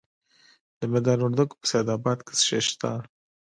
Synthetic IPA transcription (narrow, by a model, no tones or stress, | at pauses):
d̪̥əmad̪ɑnʊɾd̪əɡo̥pə̥sajd̪ɑbɑd̪ke̥sʃeʃt̪aɑ̰